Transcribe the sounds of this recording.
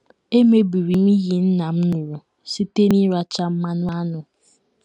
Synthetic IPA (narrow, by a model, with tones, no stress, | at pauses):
e˦me˦bi˨ɾi˨mi˦ɣi˨n̩˦na˨m̩˦nu˨ɾu˨ | si˦te˦ni˦ɾa˦t͡ʃa˦m̩˦ma˦nʊ˦a˦nʊ˨